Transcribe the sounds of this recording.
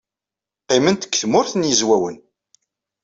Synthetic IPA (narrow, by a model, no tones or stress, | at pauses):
qːemənt̪ə̥kːθmʊɾθnjəzwæwən